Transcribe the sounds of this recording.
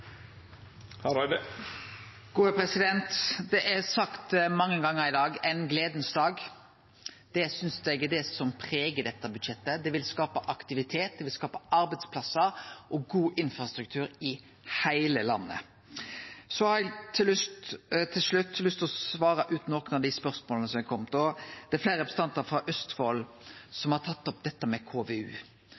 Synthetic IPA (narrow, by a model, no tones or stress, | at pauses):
hɑɾɑd̪ə | ɡ̥uːəpʰɾɛsɪd̪ɛnt̪d̪ɛʔɛsɑkt̪mɑŋːəŋɡɑŋːəɾɪd̪ɑːɡɛɪnɡleːd̪n̩sd̪ɑːɡ | d̪̥ɛsʏnsd̪ɛɡɛd̪ɛsɔmpʰʁeːɡəd̪ɛt̪ːəbʉd̪ʃɛt̪ːəd̪ɛʋɪlskɑːpəʔɑkt̪ɪʋɪt̪ʰeːt̪̚d̪ɛʋɪlskɑːpəɑɾbæɪt̪spʰlɑsːəɾʔɔɡuːʔɪnfɾɑst̪ɾʉk̚t̪ʰʉːɾɪ | hæɪləlɑnːə̰ | sɔhɑɾɛɡt̪ʰːɪlːʉst̪t̪ʰɪlʂɭʉt̪ːlʏst̪lɔsʋɑːɾɑʔʉːt̪nɔknɑd̪ɪspœʁsmoːlnəsɔmɛæɡkʰɔmt̪ɔd̪̥ɛæflæːɾəpst̪ɑnt̪əɾfɾɑʔœst̪foːl | sɔmhɑɾt̪ʰɑt̪ːɔp̚d̪ɛt̪ːəmɛkʰoːʋeʉ̰ː